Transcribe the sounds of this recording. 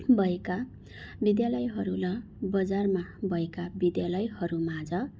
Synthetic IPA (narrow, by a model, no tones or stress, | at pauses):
bʱʌeka | bid̪jalʌjɦʌɾulʌ | bʌd͡zarmabʱʌekabid̪jalʌjhʌɾumad͡zʌ